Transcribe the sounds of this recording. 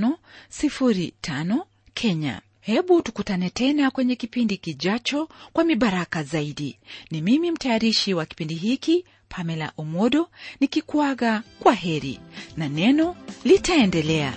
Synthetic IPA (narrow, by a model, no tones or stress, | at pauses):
nɔsifuɾitʰanɔ | kʰɛɲa̰ | hɛɓutukutanɛtɛnakwɛɲɛkipindikiʄat͡ʃɔkwamiɓaɾakazaiɗinimimim̩tajaɾiʃiwaki̥pindiɦiki | pʰamɛla̰ʔɔmɔɗɔnikikwaɣakwaɦɛɾḭnanɛnɔlitaɛndɛlɛa̰